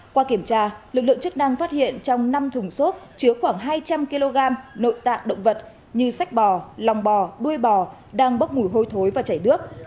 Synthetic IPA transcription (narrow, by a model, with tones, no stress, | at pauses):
kwaː˧ki˧˩əmt͡ɕaː˧lɨ˨˩k̚lɨ̰˧ə˨ŋt͡ɕɨ˦˥k̚na˧ŋfaː˦˥t̚hḭ˧˨ənt͡ɕɔ˧wŋ͡mna˧mt̪ʰʊ˨˩ŋ͡mso˦˥t̚t͡ɕɨ˨˦əxwaː˧˩ŋɦaː˧jt͡ɕa˧mki˧lo˧ɣaː˧mno̰˧˨jt̪a̰ː˧˨ŋɗə̰˧˨wŋ͡mvə˨˩t̚ | ɲɨ˧sa˦˥jk̚ɓɔ˨˩la˨˩wŋ͡mɓɔ˨˩ɗu˧əjɓɔ˨˩ | ɗaː˧ŋɓə˦˥t̚mu˧˩jɦo˧jt̪ʰo˨˦jvaː˨˩t͡ɕaː˧˩jɗɨ˦˥ək̚